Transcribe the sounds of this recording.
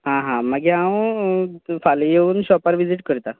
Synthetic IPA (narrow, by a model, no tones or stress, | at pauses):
ɦãɦãməɡiã | falijeuːnɕɔpaɾʋid͡ziʈkəɾt̪a